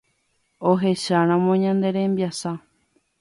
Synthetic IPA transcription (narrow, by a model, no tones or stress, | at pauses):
oɦe̞ʃaɾ̃ãmõɲãnd̪e̞ɾe̞mbjasa